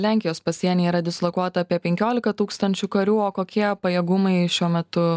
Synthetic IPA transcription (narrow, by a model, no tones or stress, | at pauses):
lʲæŋʲkʲɪjoːspɐsʲiɛnʲeːiːɾɐd̪ʲɪslˠokuɔt̪ɐɐːpʲiɛpʲɛŋʲkʲoːlʲɪkɐt̪uːkst̪ɐnʲt͡ʃʲukɐɾʲuːoːkoːkʲiɛpɐjɛːɡʊmɐɪʃʲuɔmʲɛt̪ʊ